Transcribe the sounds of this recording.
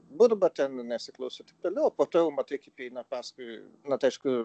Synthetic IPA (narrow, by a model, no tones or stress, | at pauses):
bʊɾbɐt̪ʲɛnnʲɛsʲɪklˠɐʊsʲot̪ʲɪk̚t̪oːlʲɛʊoːpoːt̪oːjɛʊmɐt̪ɐɪkʲɐɪpʲɛɪnɐpɑːskʊɪ | nɐt̪ɐɪʃkʊ